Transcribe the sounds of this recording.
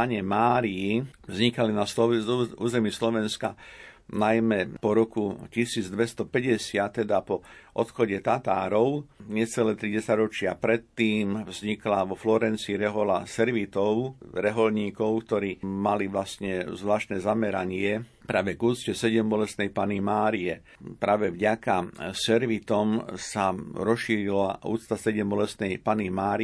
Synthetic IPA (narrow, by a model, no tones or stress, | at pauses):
aɲɛmaːɾijivzɲikalinasɔuːzɛmiːslɔʋɛnskanajmɛpɔɾɔkucisiːd͡zd̪ʋɛst̪ɔpɛɟɛsɪat̪ːɛd̪apɔʔɔt̪xɔɟɛt̪at̪aːɾɔʊɲɛt͡sɛlɛːt̪ɾiɟɛsaɟɾɔt͡ʃɪapɾɛt̪ːiːmvzɲiklaʋɔflɔɾɛnt͡siɾɛɦɔlasɛɾʋit̪ɔʊɾɛɦɔlɲiːkɔʊkt̪ɔɾiːmaliʋlasɲɛzʋlaːʃt̪nɛːzamɛɾaɲɪɛpɾaːʋɛɡuːt̪t͡scɛsɛɟɛmbɔlɛst̪nɛjpanimaːɾiɛ | pɾaːʋɛvɟakasɛɾʋit̪ɔmsaɾɔsʃiːɾilaʔṵːt͡st̪asɛɟɛmbɔlɛsnɛjpanimaːɾi